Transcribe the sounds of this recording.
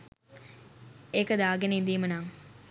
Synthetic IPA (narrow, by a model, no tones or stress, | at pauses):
ekəd̪aːɡeniːnd̪iːmənaːŋ